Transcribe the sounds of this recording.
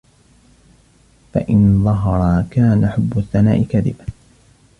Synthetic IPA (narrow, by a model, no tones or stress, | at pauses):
fa̰ʔɪnðˤɑɦɑɾˤɑkaːnaħʊbːʊθːanaːʔɪkaðɪ̰ba